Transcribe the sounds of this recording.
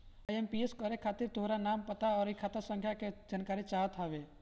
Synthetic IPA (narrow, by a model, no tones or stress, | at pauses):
əjempieskəɾekʰaːt̪ɪɾt̪oːɾanaːmpət̪aɔːɾikʰaːt̪asə̃ŋkʰjaked͡ʒaːnkaːɾit͡ʃaːɦət̪ɦaʋe